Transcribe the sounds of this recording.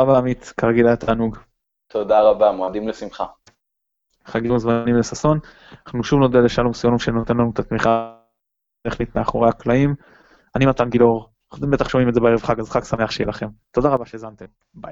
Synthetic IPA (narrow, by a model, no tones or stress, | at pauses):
abamit̪kaʁeɡilajat̪aːnuɡ | t̪od̪aʁabamoad̪imlesimχa | χaɡimazmanimlesaso̞n | aχnuʃuvno̞d̪ealeʃalomsjonimʃeno̞t̪e̞nlanut̪at̪miχa | t̪eχnit̪meaχo̞ʁeaklaim | animat̪anɡilo̞ʁ | χt̪embe̞t̪aχʃo̞mimed̪zeeeʁevχaɡazχaksame̞aχʃejelaχe̞mt̪od̪aʁabaʃe̞ːzant̪em | baj